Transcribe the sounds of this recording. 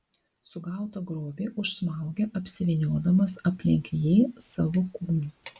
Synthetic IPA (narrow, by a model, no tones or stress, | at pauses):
sʊɡɐˑʊt̪ɐɡɾoːbʲeːʔʊʃsmɑˑʊɡʲɛʔɐpʲsʲɪʋʲɛnʲoːd̪ɐmɐsɐpʲlʲɪ̰ŋʲkʲjɛːsɐʋʊkuːmː